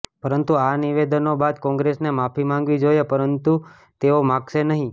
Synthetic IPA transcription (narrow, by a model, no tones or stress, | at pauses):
pəɾənt̪uaniʋed̪ənobad̪kɔ̃ŋɡɾesnemafʰimãŋɡʋid͡ʒojepəɾənt̪u | t̪eomãɡʃenəɦĩ